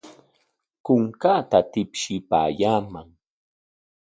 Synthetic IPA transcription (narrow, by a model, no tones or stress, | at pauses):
kʊŋkaːt̪at̪ɪpʃɪpa̰ːjaːmaŋ